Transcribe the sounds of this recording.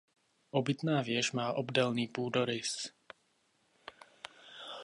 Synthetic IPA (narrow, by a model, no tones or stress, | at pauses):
ʔɔbit̪naːvɪɛʒmaːʔɔbdɛlniːpuːd̪ɔɾɪs